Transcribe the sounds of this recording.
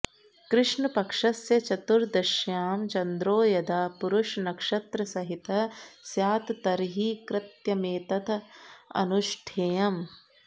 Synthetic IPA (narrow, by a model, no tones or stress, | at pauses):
kɾɪʂɳɐpɐkʂɐsjɐt͡ʃɐt̪uɾd̪ɐʃjaːmt͡ʃɐnd̪ɾoːjɐd̪aːpuɾuʂnɐkʂɐt̪ɾɐsɐɦit̪ɐsjaːt̪t̪ɐɾɦiːkɾɪt̪jɐmeːt̪ɐt̪ʰɐ̰nuʃʈʰeːjɐm